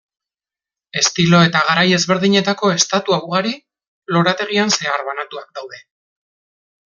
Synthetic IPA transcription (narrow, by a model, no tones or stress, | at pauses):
e̞st̪ilo̞e̞t̪aɣ̞aɾaje̞zβe̞ɾðiɲe̞t̪ako̞e̞st̪at̪uawɣ̞aɾi | lo̞ɾat̪e̞ɣ̞ianse̞aɾβanat̪uak̚d̪awðe̞